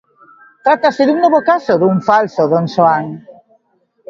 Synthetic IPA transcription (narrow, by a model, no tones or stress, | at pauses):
t̪ɾat̪asɪðuŋnoβokasoðuŋfalsoðoŋʃoaŋ